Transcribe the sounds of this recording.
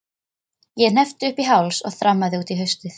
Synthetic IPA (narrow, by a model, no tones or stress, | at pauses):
jɛn̥ɛft̪ʏʏhpiɦawlsɔɣθɾamːaðɪuːt̪iɦœɥst̪ʏθ